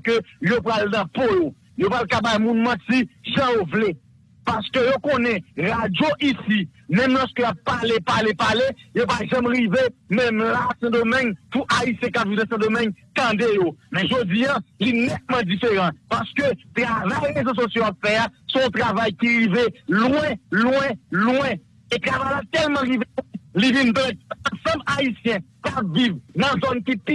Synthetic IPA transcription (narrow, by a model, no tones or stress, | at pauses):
køjop̬ɣalnɐ̃pojo | jopɣalkabajmũnmãtiʒãjovle | pasə̥køjokõnɛ̃ʁad͡zjoʔisimɛ̃mnãskøjapːalepalepalejopaʒɛ̃mʁivemɛ̃mlasɛ̃d̪omɛ̃ɲpuʔaisjɛ̃kapvivnãsɛ̃d̪omɛ̃ɲt̪ãd̪ejomɛ̃ʒod͡zijãlinɛt̪̚mãd͡zifeʁɑ̃paʁskøt̪ʁavajʁezos̬osjoapfɛasɔ̃t̪ʁavajkiʁivelwɛ̃lwɛ̃lwɛ̃ | et̪ʁavajlat̪ɛlmɑ̃ʁivelwɛ̃livĩnpɛ̃t̪̚ɐ̃sɐ̃blaisjɛ̃ | kapvivnɐ̃zɔnkipi